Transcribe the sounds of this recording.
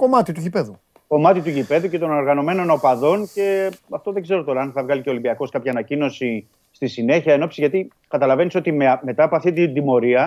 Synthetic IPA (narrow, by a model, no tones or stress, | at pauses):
ko̞mɐt̪it̪uʝipe̞ðu | ko̞mɐt̪it̪uʝipe̞ðuce̞t̪o̞no̞ɾɣɐno̞me̞no̞nopɐðo̞nce̞ɐft̪o̞ðeɡze̞ɾot̪o̞ɾɐɐnθɐvɣɐliceo̞limbiɐko̞skɐpçɐːnɐcino̞si | st̪isine̞çiɐeno̞psizʝɐt̪i | kɐt̪ɐlɐve̞niso̞t̪imeme̞t̪ɐːpoɐft̪it̪ind̪imo̞ɾiɐ